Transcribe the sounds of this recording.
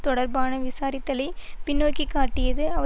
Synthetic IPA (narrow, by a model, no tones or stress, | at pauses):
t̪ɔɽɐɾbaːnɐʋɪsaːɾɪt̪ːɐlɐɪpɪnːoːjkːikːaːʈːɪjɐðɯɐʋɐ